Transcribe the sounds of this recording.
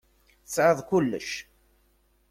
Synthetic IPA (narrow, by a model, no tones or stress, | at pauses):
θəsʕəðˤkʊlːə̰ʃ